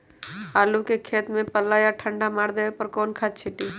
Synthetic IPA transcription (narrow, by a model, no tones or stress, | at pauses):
aːlukekʰeːt̪mẽpəlːaːjaʈʰə̃ɳɖamaːɽd̪eepəɾkoːnkʰaːt̪t͡ʃʰɪʈiː